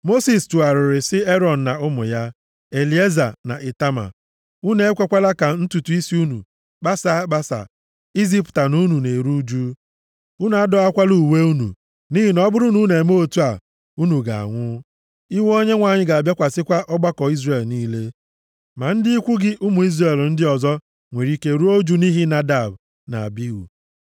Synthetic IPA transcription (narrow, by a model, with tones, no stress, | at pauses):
mo˦si˨stu˨a˨ɾɪ˨ɾɪ˨sɪ˦e˦ɾɔ˨n̩˨na˨ʊ˦mʊ˨ja˦ | e˨li˨˦e˦za̰˨na̰˨ʔe˨ta˦ma̰˨ | u˦ne˦e˦kʷe˦kʷa˦la˦ka˨n̩˦tu˨tu˨˦i˦si˦u˦nṵ˨ | ɡ͡ba˦sa˦ɡ͡ba˦sa̰˨ | i˦zi˦pta˨nu˦nu˨ne˨ɾu˦d͡ʒu˦ | u˦n˨a˦dɔ˦a˦kʷa˦lu˨we˦u˦nṵ˨ | ni˦ɦi˨nɔ˦bʊ˦ɾʊ˦nu˦ne˨mo˦˨tu˦a˨ | u˦nu˨ɡa̰˨a̰˨ŋʷʊ˦ | i˦wo˦ɲe˦ŋʷa˨ɲɪ˦ɡa˨a˨bja˦kʷa˨sɪ˦kʷa˦ʔɔ˦ɡ͡ba˦kɔ˨i˦zre˨lniː˦le˦ | ma˨n̩˦dɪ˦i˦kʷʊ˦ɡɪ˦ʔʊ˦mʊ˨i˦zre˦˨ln̩˦dɪ˦ɔ˨zɔ˦ | ŋʷe˨ɾi˦ke˦ɾu˦o˦d͡ʒu˦ni˦ɦi˦na˨da˨b | na̰˨a̰˨bi˦wṵ˨